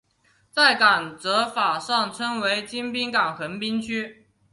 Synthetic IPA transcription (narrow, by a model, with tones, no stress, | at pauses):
t͡sa˥˩ɪka˨˩nt͡sɤ˧˥fa˨˩ʂɑ˥˩ŋʈ͡ʂʰɤ˥ŋwe˧˥ɪt͡ɕi˥npi˥ŋkɑ˨˩ŋxə˧˥npi˥nt͡ɕʰy˥